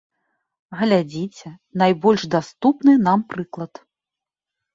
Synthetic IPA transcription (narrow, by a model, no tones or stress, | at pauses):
ɣɐlʲad͡zʲit͡sʲɛnajbɔlʲʂd̪ast̪upnɨnampɾɨklˠɐt̪